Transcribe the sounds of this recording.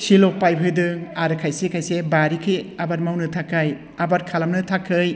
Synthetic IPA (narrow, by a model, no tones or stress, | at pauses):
silok̚pajbʱʰɯdɯŋaɾɯkʰajsekʰajsebaɾikʰɯjabaɾmawnɯtʰakʰːaj | abaɾkʰalɐmnɯtʰakʰːɯj